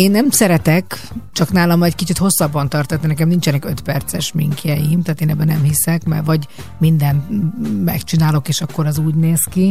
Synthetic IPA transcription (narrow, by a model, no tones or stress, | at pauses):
eːnːɛmsɛɾɛt̪ɛkt͡ʃɒknaːlɒmːɒjɛckit͡ʃit̪ho̞sːɒbːɒnt̪ɒrt̪ɒt̪ninɛkɛmnint͡ʃɛnɛkøt̪pɛrt̪sɛʃmiŋkjɛjimt̪aːt̪eːnɛbːɛnɛmhisɛkmɛ̰rʋɒɟ | mind̪ɛnt̪mɛ̰kt͡ʃinaːlo̞keːʃɒkːo̞ɾɛzuːɟneːski